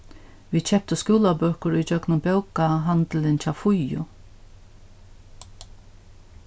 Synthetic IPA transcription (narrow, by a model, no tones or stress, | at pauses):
ʋiːt͡ʃʰɛp̚t̪əskuːlabœːkʊɾʊjd͡ʒœknʊmbɛwkaɦant̪lɪnt͡ʃʰafʊjʊ̰